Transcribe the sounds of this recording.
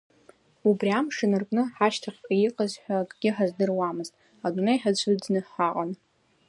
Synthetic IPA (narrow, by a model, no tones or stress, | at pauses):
ubriamʂɨnɨrkʼnɨħaʃtʰaχʲʼijiqʼazħʷakʼɡ̥ʲɪħazdɨrwamɨztʼ | adʷunejħat͡ɕʷʰɨdnɨħaqʼan